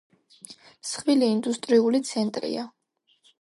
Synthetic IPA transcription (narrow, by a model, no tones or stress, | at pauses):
sχviliːnd̪ust̪ʼɾiulit̪sʰɛnt̪ʼɾḭa